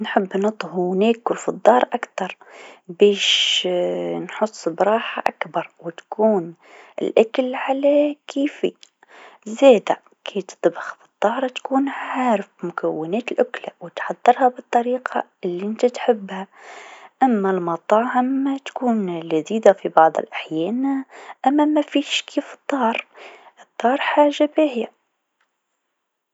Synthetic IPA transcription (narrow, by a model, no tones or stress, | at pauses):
nħɪbːnɨt̪ˤhuneːkʊlfid̪ˤːɑːɾˤʔakt̪ɑɾˤbeːʃ | nħʊsˤːbɾˤɑːħa̰ʔakbɑɾˤwɪt̪kuːn | ɪ̰lʔakalʕalakʰiːfḭ | zeːd̪a | kʰeːt̪t̪ˤbɪxfi̥d̪ˤːɑːɾˤt̪kuːnʕʕaːɾɪfmʊkawːɪnɛːt̪lʔʊklawt̪ħɑðˤːɨɾˤhabɨt̪ˤːɑɾiːqʰɑ̰ | ɪlːiʔɪnt̪æt̪ħɪbːha | ʔamːælmɑt̪ˤɑːʕɪmːat̪kuːnlaziːd̪afibɑʕðˤə̰lʔaħjɛːnʔæmːæmæfiːʃkʰiːfɨt̪ˤːɑːɾˤʔɨt̪ˤːɑːɾˤħaːʒːabehɪja